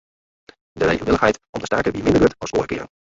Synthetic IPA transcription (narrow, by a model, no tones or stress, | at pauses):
dərḛχənˠʋɪlˠəχɦɛjtɔ̰mtəstɛɹkəʋimɪndəɹɡøtʋɔso̰ːrəkɪ̰ːrən